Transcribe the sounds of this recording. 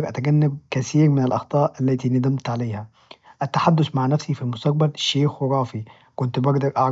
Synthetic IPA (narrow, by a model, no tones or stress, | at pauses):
ɑɾˤʔæt̪æɡænːab̚kæθiːɾmɪnɪlʔɑxt̪ˤɑːʔʔælːæːt̪inæd̪æmt̪ʕalejhæ | ʔæt̪ːaħad̪ːʊsmaʕnæfsifilmʊst̪ɑq̚bælʃːeːxwɾˤɑːfi | kʊnt̪bɑɡd̪ɑɾˤʔɑʕɾ